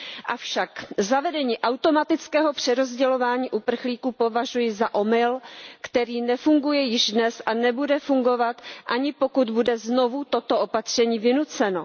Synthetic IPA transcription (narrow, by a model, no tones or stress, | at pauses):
ʔafʃakzavɛdɛɲiːʔawt̪o̞mat̪ɪt͡skɛːɦo̞pr̝̥ɛɾo̞zɟɛlo̞vaːɲiːʔupr̩xliːkuːpo̞vaʒujɪzaʔo̞mɪlkt̪ɛɾiːnɛfuŋɡujɛjɪʒdnɛsanɛbudɛfuŋɡo̞vat̪ʔaɲɪpo̞kud̪budɛzno̞vut̪o̞t̪o̞ʔo̞pat̪r̝̥ɛɲiːvɪnut͡sɛno̞